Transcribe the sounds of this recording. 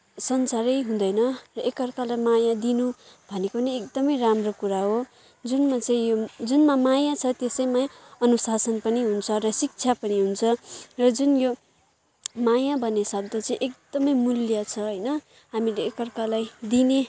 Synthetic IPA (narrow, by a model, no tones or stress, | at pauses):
sʌnsaɾʌjɦũd̪ʌjnʌrʌekʌrkalajmajad̪inubʱʌnekoniekd̪ʌmʌjramrokuɾaɦo | d͡zunmat͡sʌ̃ĩjod͡zunmamajat͡sʰʌt̪esʌjmajʌnusasʌnpʌniɦunt͡sʰʌrʌsik̚t͡sʰapʌniɦunt͡sʰʌrʌd͡zunjo | majabʱʌnesʌb̚d̪ʌt͡sʌĩʔek̚d̪ʌmʌjmuljat͡sʰʌɦʌjnʌ | ɦamileːkʌrkalajd̪ine